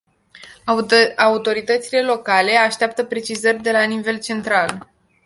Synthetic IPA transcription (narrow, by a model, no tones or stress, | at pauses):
aut̪o̞ɾit̪ət̪sile̞lo̞kale̞aʃt̪eap̚t̪əpɾe̞t͡ʃizərʲd̪e̞lanive̞lt͡ʃe̞nt̪ɾal